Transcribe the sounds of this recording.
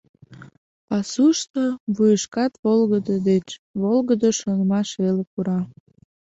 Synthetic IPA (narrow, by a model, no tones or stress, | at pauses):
pɑsuʃt̪oβujəʃkɑt̪βolɣəd̪əd̪et͡ɕβolɣəd̪əʃonəmɑʃelekuɾɑ